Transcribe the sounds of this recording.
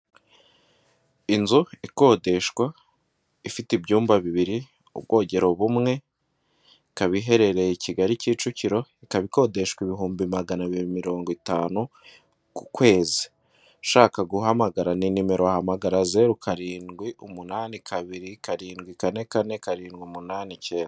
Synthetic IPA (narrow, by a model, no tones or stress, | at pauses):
inzuiko̞ːde̞ʃkwa | ifitibjuːmbaβiβiɾi | ṵb̚ɡo̞ːɟe̞ɾo̞βumŋe̞ | kaβiɦe̞ɾe̞ɾe̞jiciɡaɾiciːt͡ʃuciɾo̞ikaβiko̞de̞ʃkwiβiɦuːmbimaɡanaβiβimiɾo̞ːŋɡitaːnu | kukwe̞ːzi̥ | ʃaːkaɡuɦamaɡaɾaninime̞ɾo̞ahamaɡaɾaze̞ɾukaɾiːnɡwiʔumunaːnikʰaβiɾikaɾiːnɡwikane̞kane̞kaɾiːnɡwiumunaːniceːnda